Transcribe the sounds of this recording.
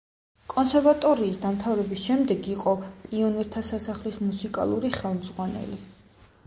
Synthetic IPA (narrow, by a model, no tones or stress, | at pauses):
kʼɔnsɛɾvat̪ʼɔɾiːsd̪amt̪ʰavɾɛbisʃɛmd̪ɛɡiqʼɔpʼiɔniɾt̪ʰasasaχlismusikʼa̰lˠuɾiχɛlˠmzʁwanɛ̰li